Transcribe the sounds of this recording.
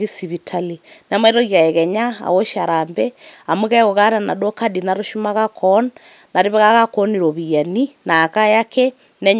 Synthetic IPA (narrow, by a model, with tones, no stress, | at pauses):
ɣi˦si˨βitʰalin˨a˨˦ma˦i˦ɾɔ˦ɣia˨ɛ˨ɣɛ˨ɲa˦a̰˨wo˦ʃa˨ɾambɛa˨mu˦ɣa˦ɣo˨ɣa˦ɾa˨na̰˨do˦ka˦di˨na˨ɾo˦ʃi˦maɣa˦kʰɔnː | a˨ɾe˦βɛ˦ɣa˦ɣa˦kɔ˦ni˨ɾo˨βi˨ja˨nina˨ka˦jakɛ˦ | nɛ˦ɲ